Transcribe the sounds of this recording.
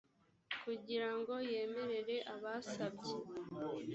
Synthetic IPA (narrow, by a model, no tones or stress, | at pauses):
kuɟiɾaŋɡo̞je̞ːme̞ɾe̞ɾe̞ʔaβasabɟe